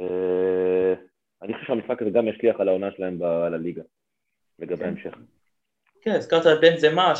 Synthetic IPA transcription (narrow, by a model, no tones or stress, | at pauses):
e | anixoʃeʃeamisakazeɡamjaʃliaχalaonaʃelahembalaliɡa | leɡabeaemʃe̞χ | keniskaʁt̪albenzema